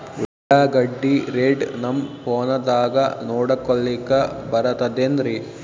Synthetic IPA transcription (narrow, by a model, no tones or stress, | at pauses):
ʋɛaːɡɐɖːiɾeːɖnɐmpɔːnɐd̪aːɡɐnoːɽɐkːɔɭːikːɐbɐɾɐt̪ɐd̪eːnd̪ɾi